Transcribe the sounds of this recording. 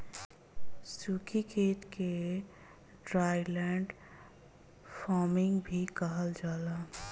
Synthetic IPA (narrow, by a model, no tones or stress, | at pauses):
sukʰikeʈke | ɖɾajlɛɳɖ | pʰɔmiŋɡbʱikəɦəld͡ʒaːla